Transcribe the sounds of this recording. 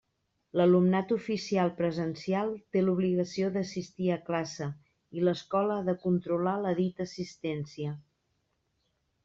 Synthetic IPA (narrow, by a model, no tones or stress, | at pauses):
ləlumnat̪ufisialˠpɾəzənsialˠt̪eluβliɣəsioðəsist̪iəklasə | iləskɔləaðəkunt̪ɾulaləðit̪əsist̪ɛnsiə